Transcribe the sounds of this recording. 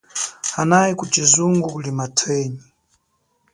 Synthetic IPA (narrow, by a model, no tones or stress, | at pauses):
anajikut͡ʃizuŋɡukulimatʰwɛːɲi